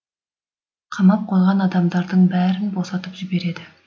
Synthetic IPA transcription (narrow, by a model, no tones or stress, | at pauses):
qʰɑmɑp̚qʰozˠʁɑnɑd̪ɑmd̪ɑɾd̪əɴbæːɾɪnbo̞sɑt̪əpʒɪbe̞ɾe̞d̪ɪ